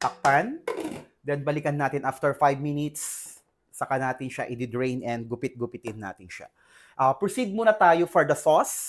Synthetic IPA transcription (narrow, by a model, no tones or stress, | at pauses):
t̪ɐk̚pand̪ɛnbɐlɪkɐnːaːt̪ɪnʔaft̪ɛɹfajbminɪt̪sː | ɐkɐnaːt̪ɪnʃaʔɪd̪ɪd̪ɹejnʔɛnd̪̚ɡʊpɪt̪̚ɡʊpɪt̪ɪnːa̰ːt̪ɪnʃa̰ | ʔɐpɹɔsid̪̚muːnɐt̪aːjofɔɹd̪ɐsos